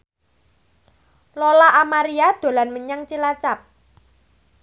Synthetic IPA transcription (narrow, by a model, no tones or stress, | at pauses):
lolaʔːmaɾiad̪̥o̤lanməɲaŋt͡ʃilat͡ʃap̚